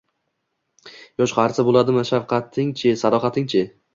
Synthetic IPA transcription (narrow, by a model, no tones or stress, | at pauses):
jɒʃqʰɑɾsɪbolˠad̪ɪmɪʃafqʰɑt̪ʰːɪŋt͡ʃʰɪsad̪ɒχɑt̪ʰɪŋt͡ʃʰɪ